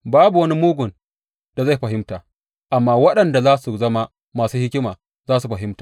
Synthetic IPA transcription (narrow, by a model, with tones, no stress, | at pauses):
baː˦bu˨wɐ˦ni˦muː˦ɡʷʊ˨n | d̥a˨za˦˨ɸɐ˨ɦɪ˦mtaː˨ | ʔa˨mːaː˦wɐ˦ɗɐ˨nda˨zaː˦su˨zɐ˦ma˦ | maː˨suː˦hɪ˦kʲɪ˦maː˨ | zaː˦su˨ɸɐ˨ɦɪ˦mtaː˨